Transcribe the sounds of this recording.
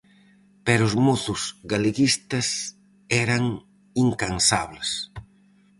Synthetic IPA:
pɛɾʊʊzmoθʊzɣaleɣist̪ɐs | ɛɾɐŋ | iŋkansaβles

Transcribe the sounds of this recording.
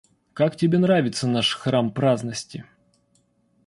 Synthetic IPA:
kaktʲɪbʲenɾavʲɪt̪sənaʂxrampɾaznəsʲtʲɪ

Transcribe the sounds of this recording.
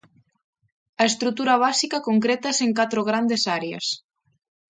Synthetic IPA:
ɐest̪ɾut̪uɾɐβ̞asikakoŋkɾet̪aeseŋkat̪ɾoɣ̞ɾand̪esaɾea̰s

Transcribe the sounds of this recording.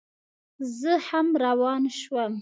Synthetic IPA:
zəhamɾawɑnʃwəm

